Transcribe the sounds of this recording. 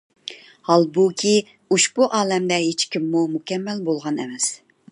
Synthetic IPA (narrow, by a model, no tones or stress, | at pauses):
hɑlˠbukʲʰi | uʃbuʔɑːlɛmd̪ɛɦet͡ʃkʲʰimːumukʲʰɛmːɛlbolˠʁɑnɛ̰mɛs